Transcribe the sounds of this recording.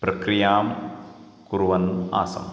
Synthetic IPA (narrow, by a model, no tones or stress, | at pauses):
pɾɐkɾijaːm | kuɾwana̰ːsa̰